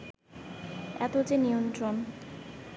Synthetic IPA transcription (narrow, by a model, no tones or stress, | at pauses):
ɛ̰t̪od͡ʑenijont̪ɾon